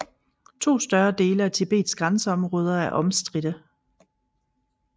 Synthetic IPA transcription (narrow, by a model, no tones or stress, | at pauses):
t͡sʰo̝̰ːsd̥ɶɐd̥e̝ːləæt͡sʰe̝b̥e̝̰ːd̥sɡ̥ʁɑ̈nsəɒ̽mʁɔ̽ːð̞ˠɐæɐʔɒ̽msd̥ʁid̥ə